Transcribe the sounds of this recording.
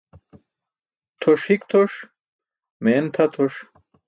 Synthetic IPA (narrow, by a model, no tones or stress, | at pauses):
t̪ʰoʂhikt̪ʰoʂ | meːnt̪ʰɐt̪ʰoʂ